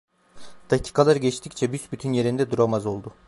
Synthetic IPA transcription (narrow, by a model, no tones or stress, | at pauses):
d̪̥acʰi̥kʰalˠaɾɟɛt͡ʃt̪ʰict͡ʃʰɛbysbyt̪ʰynje̞ɾind̪ɛd̪uɾamazo̞lˠd̪ʊ